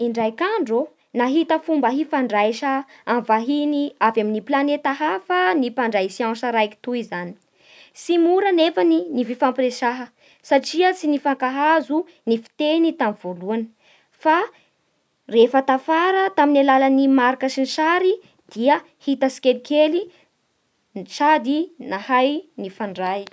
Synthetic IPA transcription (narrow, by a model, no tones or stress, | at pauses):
iɳɖ͡ʐajkaɳɖ͡ʐo | naɦit̪əfumbəɦifaɳɖ͡ʐajʃəamvaɦiniavaminiplanet̪aɦafənipaɳɖ͡ʐasianʃaɾajki̥t̪uizani̥ | simuɾənefaninififampiɾeʃaɦə | saʈ͡ʂiət͡sinifaŋkaɦazu | nifi̥t̪enit̪amiv̥oluanə̥ | fa | refət̪afaɾət̪aminalalanimaɾakəsinʃaɾi | d̪̥iə | hit̪əsi̥kelikeli | nʈ͡ʂad̪inahajnifaɳɖ͡ʐaj